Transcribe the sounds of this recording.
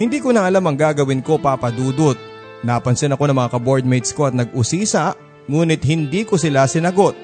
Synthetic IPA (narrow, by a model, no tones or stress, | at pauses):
hɪnd̪iːkonɐʔɐlamɐŋɡaːɡɐwɪnko̞paːpɐd̪uːd̪ot̪̚ | naːpɐnsɪnɐko̞nɐŋmɐŋakɐboɹd̪̚mɛjt̪sko̞ɐt̪̚nɐɡ̚ʊsiːsaʔ | ŋuːnɪt̪̚hɪnd̪iːkosɪlasɪnɐɡo̞t̪̚